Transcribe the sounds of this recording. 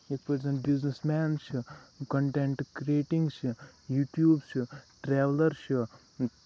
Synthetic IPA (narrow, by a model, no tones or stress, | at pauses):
ek̚pɐɾzɐɳʈbiznesmɛːnʃkɐɳʈeɳʈkɾieːʈĩŋɡsjuːʈjuːbsʈɾeːʋləɾʃu